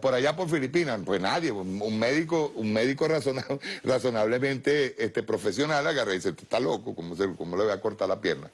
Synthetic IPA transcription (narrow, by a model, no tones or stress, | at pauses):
poɾaʝapo̞ɾfilipinapwesnaðje̞uŋmeðikouŋmeðiko̞rasonaraso̞naβle̞mẽnt̪e̞est̪e̞pɾo̞fe̞sjo̞nalaɣareðiset̪e̥st̪alokokomosekomoleβaako̞ɾt̪aɾlapjeɾna